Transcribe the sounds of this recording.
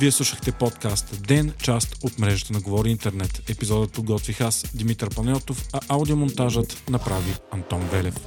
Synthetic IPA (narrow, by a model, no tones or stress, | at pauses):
viɛslˠuʃəxt̪ɛpɔt̪kast̪d̪ɛnt͡ʃast̪ot̪mɾɛʒət̪ənɐɡovɔɾiint̪ɛɾnɛt̪ɛpizɔd̪ət̪̚pod̪ɡɔt̪vixasd̪imit̪əɾpɐnʲɔt̪ofɐʔaʊd̪iomont̪aʒət̪nɐpɾaviɐnt̪ɔnvɛlɛf